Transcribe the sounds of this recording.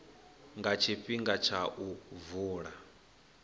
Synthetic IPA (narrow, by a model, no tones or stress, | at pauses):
ŋɡat͡ʃʰiɸiŋɡat͡ʃʰaʔuvuːɺa